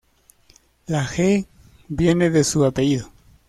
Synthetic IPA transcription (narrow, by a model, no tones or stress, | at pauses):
laxe | bje̞neðe̞suapeʝiðo